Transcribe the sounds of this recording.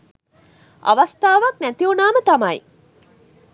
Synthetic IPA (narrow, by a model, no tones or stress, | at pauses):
a̰ʋɐst̪aːʋɐknæt̪iunaːmət̪ɐmɐj